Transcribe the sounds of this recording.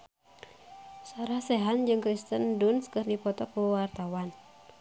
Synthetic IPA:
saɾahsɛɦand͡ʒɨŋkɾist̪əndunskɨrdipɔt̪ɔkuwart̪awan

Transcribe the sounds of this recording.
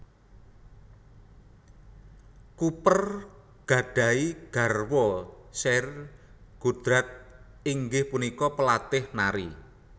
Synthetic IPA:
kupər | ɡ̥a̤ɖ̥a̤iɡ̥a̤rwɔsɛr | ɡ̥ṳd̪̥ɾat̪̚ | iŋɡɪhpunikɔpəlat̪ɪhnaɾi

